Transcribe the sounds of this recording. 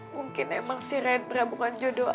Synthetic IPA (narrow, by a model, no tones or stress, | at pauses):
muŋkɪnɛmaŋsiɾɛn̚bəɾabukand͡ʒodo